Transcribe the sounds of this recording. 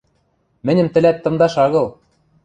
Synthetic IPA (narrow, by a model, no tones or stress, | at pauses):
mɘ̆nʲɘ̆mt̪ɘ̆læt̪ːɤ̆md̪ɑʃɑɣɤ̆lˠ